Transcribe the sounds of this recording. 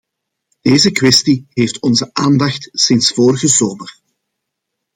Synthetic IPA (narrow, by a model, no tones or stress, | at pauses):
d̥eːzəkwɛstiɦeːftɔnzəʔaːndɑxtsɪnsfoːɾəɣəzoːmər